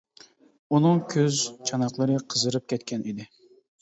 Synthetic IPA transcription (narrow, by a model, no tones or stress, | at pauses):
unɨŋkʲʰøzt͡ʃʰɑnɑqlˠəɾɨqʰəzɨɾɨp̚kʲʰɛt̪kʲɛnid̪ɪ